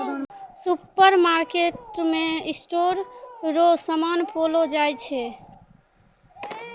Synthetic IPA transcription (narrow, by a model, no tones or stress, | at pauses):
supəɾmaɾkeʈmeisʈoɾɾosəmanpʰolod͡ʒajt͡ʃʰɛ